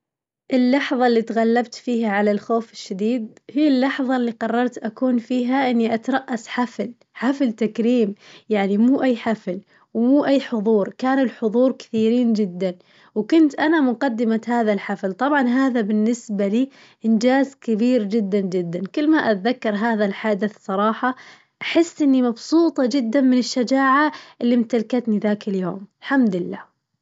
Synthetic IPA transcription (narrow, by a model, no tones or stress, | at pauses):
ʔɪlːɑħðˤɑlːiːt̪ɣalːabt̪fiːhaʕalalxoːfɪʃːad̪iːd̪̚hijːɪlːɑħðˤɑlːiqɑrˤːɑɾˤt̪ʔakuːnfiːɦaʔɪnːiʔat̪ɾˤɑʔːasħafl | ħaflt̪akɾiːmjaʕnimuːʔajːħafl | wmuːʔajːħʊðˤuːɾkaːnɪlħʊðˤuːɾkɪ̥θiːɾiːnd͡ʒɪd̪ːan | wkʊnt̪ʔanamʊqad̪ːɪmahaːðalħaflt̪ˤɑbʕɑnɦaːðabɪnːɪsbaliː | ʔɪnd͡ʒaːzkɪbiːɾd͡ʒɪd̪ːand͡ʒɪd̪ːankɪlːmaʔat̪ðakːɑɾˤɦaːðalħaːd̪ɪθsˤɑɾˤɑːħɑ | ʔaħɪsːʔɪnːimɑbsˤuːt̪ˤɑd͡ʒɪd̪ːanmɪnɪʃːad͡ʒaːʕaʔɪlːimt̪alkat̪niðaːkɪljo̰ːmɪlħamd̪ɪlːa̰ː